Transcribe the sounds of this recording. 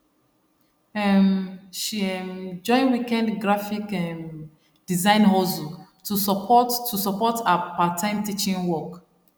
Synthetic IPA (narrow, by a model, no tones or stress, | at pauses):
ɛmʃiɛmd͡ʒɔ̃ɪ̃nwikɛ̃ndɡɹafikɛ̃n | d̥izãɪ̃nɦɔzutusɔpɔttʰusɔpɔtapatʰãɪ̃mtit͡ʃĩnwɔk